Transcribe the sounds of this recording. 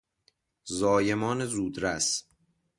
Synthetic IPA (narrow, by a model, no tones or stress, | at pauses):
zɒːje̞mɒːnezuːd̪ɾæs